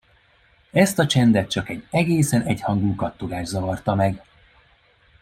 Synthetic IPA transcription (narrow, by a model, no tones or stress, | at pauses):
ɛst̪ɒt͡ʃɛnd̪ɛt̪̚t͡ʃɒkɛɟɛɡeːsɛnɛchɒŋɡuːkɒt̪ːoɡaːʒzɒvɒrt̪ɒmɛɡ